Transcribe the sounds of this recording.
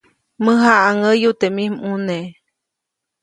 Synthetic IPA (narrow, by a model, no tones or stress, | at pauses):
məɦaʔaŋəjut̪emimune